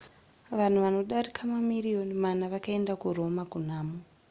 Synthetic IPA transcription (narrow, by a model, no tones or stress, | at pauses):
ʋan̤uʋano̞ɗaɾikʰamamirijo̞nimanaʋakaendakuro̞makun̤aːmu